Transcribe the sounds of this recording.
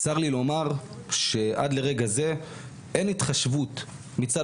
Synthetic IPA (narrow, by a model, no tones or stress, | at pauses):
saʁlilo̞maʁ | ʃe̞ʔa̰dle̞ʁe̞ɡaze̞ | enit̪χaʃvut | mit͡sa